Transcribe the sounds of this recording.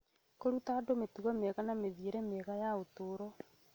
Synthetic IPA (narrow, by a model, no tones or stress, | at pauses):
koɾutaːdometuɔmeɣanameðieɾɛmeɣajaotoːɾɔ